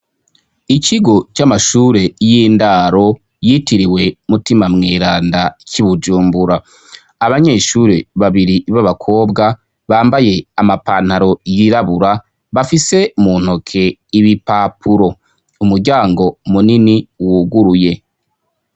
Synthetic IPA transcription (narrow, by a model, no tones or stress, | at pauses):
iciɡo̞t͡ʃamaʃuːɾe̞jiːndaːɾo̞ | jitiɾiwe̞mutimamŋeːɾaːndaciβud͡ʒuːmbuɾaː | βaɲe̞ʃuɾeβaβiɾiβaβakʰo̞ːbɡa | βaːmbaje̞amapaːn̥haɾo̞jiɾaβuɾa | βafise̞muːn̥hokʰe̞iβipaːpʰuɾo̞ | umuɾɟaːŋɡo̞muniniwuɡuɾuje̞